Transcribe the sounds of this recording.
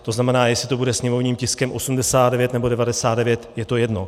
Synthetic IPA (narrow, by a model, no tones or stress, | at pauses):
t̪o̞znamɛnaːjɛslɪt̪o̞budɛsɲɛmo̞vɲiːmcɪskɛmʔo̞sumdɛsaːd̪dɛvjɛt̪nɛbo̞dɛvadɛsaːd̪dɛvjɛt̪jɛt̪o̞jɛdno̞